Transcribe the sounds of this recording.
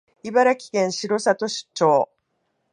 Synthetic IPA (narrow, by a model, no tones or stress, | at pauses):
ibaɾakʲi̥kẽ̞ɰ̃ɕiɾo̞sat̪o̞ɕɨ̥t͡ɕːo̞ː